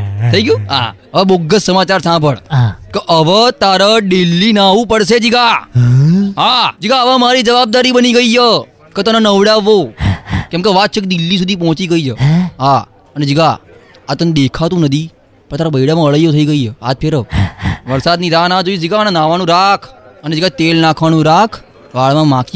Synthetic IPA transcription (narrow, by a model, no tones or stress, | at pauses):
t̪ʰəiɡjũːɦa̰ | əʋãboɡəssəmat͡ʃaɾsãbʱəɭkəʔəʋət̪aɾaɖelːinaʋũpəɽʃed͡ʒiɡa | ɦad͡ʒiɡaəʋãmaɾid͡ʒəʋab̚d̪aɾibəniɡəijə | kət̪ənanəʋɽaʋːokɛ̃mkeʋat̪̚t͡ʃʰək̚d̪ilːis̬ud̪ʱip̬ɔɦɔ̃t͡ʃiɡəid͡ʒəɦa | əned͡ʒiɡaː | t̪əned̪ekʰat̪ũnəd̪ʱi | pəɳ̃t̪aɾabəiɽamãəɭəjːot̪ʰəiɡəiəa̰t̪̚pʰeɾəʋəɾsad̪niɾanad͡ʒoid͡ʒiɡanenaʋañũɾakʰəned͡ʒiɡat̪elnakʰʋañũɾakʰ | ʋaɭmãmaki